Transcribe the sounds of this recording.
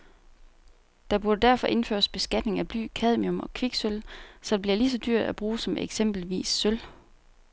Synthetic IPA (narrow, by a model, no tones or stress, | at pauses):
d̥ɑ̈b̥uɐd̥ədæɐfɒ̽ʔe̝nfø̰ɐsb̥e̝sɡ̥æd̥ne̝ŋæb̥ly̰ːkʰæð̞ˠmiɔ̽mɒ̽kʰʋiɡ̥sølsɒ̽d̥eb̥liɐlis̬ɒ̽d̥yɐ̰d̥æb̥ʁuːsɒ̽meɡ̥sem̰b̥l̩ʋḭːsːøl